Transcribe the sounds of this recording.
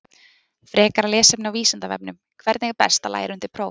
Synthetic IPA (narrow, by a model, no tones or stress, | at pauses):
fɾɛːkaɾalɛːsɛpnɪawviːsant̪avɛ̰p̚nʏm | kʰvɛɾt̪nɛɣpɛ̰st̪ala̰ːjɪ̰ɾʏnt̪ɪɾpʰɾoːw